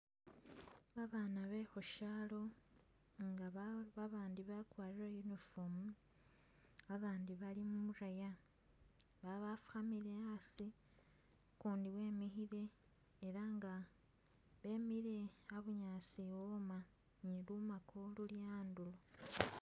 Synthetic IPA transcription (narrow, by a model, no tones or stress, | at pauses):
βaβaːnaβe̞xoʃalo̞ | ŋɡaββaβaːndiβakwaːɾirojunifomu | aβaːndiβalimumuɾaja | βaβafu̥xamiɾeasi | kuːndiwe̞ːmixiɾe̞ː | ɾaŋɡa | βe̞ːmiɾe̞aβuɲaːsiwoma | ɲilumakʰoluljaːndulo